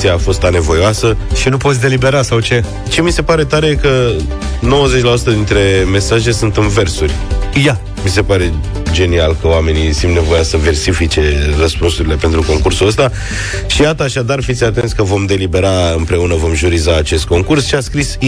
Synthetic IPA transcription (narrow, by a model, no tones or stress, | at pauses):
siaːfo̞st̪ane̞vo̞joasəʃinupo̞t̪sʲd̪e̞libe̞ɾasawt͡ʃe̞ | t͡ʃe̞mise̞paɾe̞t̪aɾekə | no̞wəze̞t͡ʃlasu̥t̪əd̪int̪ɾe̞me̞saʒe̞sunt̪ɨmve̞rsurʲja | mise̞paɾe̞ | d͡ʒe̞nialkəoame̞nisunt̪ne̞vo̞jasəve̞rsifit͡ʃe̞rəspunsuɾile̞pe̞nt̪ɾuko̞ŋkursuəst̪a | ʃijat̪əːʃad̪arfit̪sʲat̪e̞nt̪sʲkəvo̞md̪e̞libe̞ɾaɨmpɾe̞unəvo̞mʒuɾizaːt͡ʃe̞st̪̚ko̞ŋkursʃiaskɾis